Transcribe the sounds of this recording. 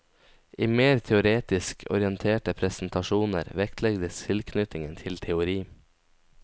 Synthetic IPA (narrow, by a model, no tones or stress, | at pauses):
ʔiːmeːɾt̪ʰɛʊɾeːt̪ɪskʰɔ̰ɾɪənt̪ʰeːʈəpʰɾɛsn̩t̪ɑʃuːnə̰ɾʋɛkt̪ʰlɛɡd̪əst̪ʰɪlkʰnʏt̪ɪŋənt̪ʰɪlt̪ʰɛʊɾiː